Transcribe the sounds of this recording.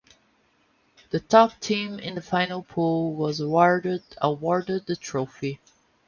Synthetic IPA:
ðɨtʰɔp̚tʰĩmɪ̰̃nðəfãɪ̃nəl̩ˠpʰulˠwʌzəwɔɹdəwɔɹdəd̪̚ðɨtʰɹ̥oʊfi

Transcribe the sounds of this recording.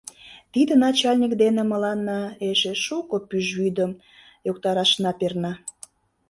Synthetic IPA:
t̪id̪ənɑt͡ɕɑlʲnʲikd̪enĕmə̆lɑnːɑeʃeʃukopyʒβyd̪əm | jokt̪ɑɾɑʃnɑpernɑ

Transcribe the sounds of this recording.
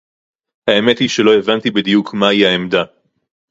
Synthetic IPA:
hae̞met̪hiʃe̞lo̞e̞vant̪ibid̪ijukʰmaihaemd̪a

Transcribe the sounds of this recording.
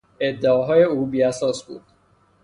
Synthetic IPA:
e̞d̪ːeɒːɦɒːje̞uːbiːæsɒːsbṵːd̪̥̚

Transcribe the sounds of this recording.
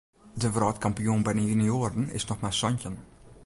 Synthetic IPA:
dəvrɑːtkɑmpijunbɛjnəynioːɾənɪ̰snɔxmasɔncən

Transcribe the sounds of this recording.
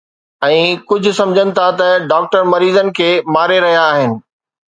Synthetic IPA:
ɛ̃ːkʊd͡ʑʱʊ̆sɐ̃md͡ʑʱənɪ̆t̪ʰat̪ɐɖaːk̚ʈəɾmɐɾiːzənɪ̆kʰeːmaːɾeɾɐɦijaːɦɪnɪ̆

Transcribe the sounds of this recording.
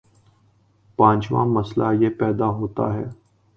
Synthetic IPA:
pãːt͡ʃʋa̰ːməslaːjeːpɛːd̪aːɦoːt̪a̰ːɦɛː

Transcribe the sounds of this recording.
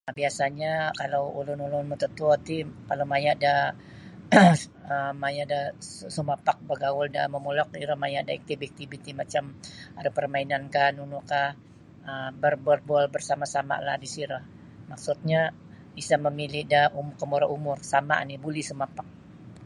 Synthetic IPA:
abiasaɲakalowulʊnulʊnmut̪ət̪uɔt̪ikalomajaʔda | əmajaʔdassumapak̚baɡawʊlda̰məmulɔk̚iɾəmajaʔdaɛk̚t̪ibk̚t̪ibit̪imat͡ʃamaɾapərmainankanunukah | əbərbɔrbualbərsamasama̰la̰hdisiɾah | maksut̪̚ɲa | isaməmilɪdaumʊkəmuɾaʔumʊrsama̰nibulisumapak̚

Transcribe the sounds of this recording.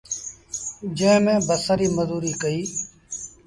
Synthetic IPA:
d͡ʒẽːmẽːbəsaːɾiːməzuːɾiːkəiː

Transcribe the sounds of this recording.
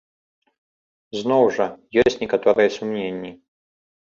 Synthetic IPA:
znɔwʐɐjɔsʲtʲnʲɛkat̪ɔɾɨjɛsumnʲenʲːi

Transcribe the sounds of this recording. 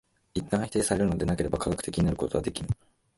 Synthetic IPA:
it̪ːãɰ̃haçi̥t̪e̞ːsaɾe̞ɾɯ̟nod̪enake̞ɾe̞bakaɡakɯ̟̥e̞kʲiɲ̟inaɾɯ̟ko̞t̪o̞βad̪e̞kʲinɯ

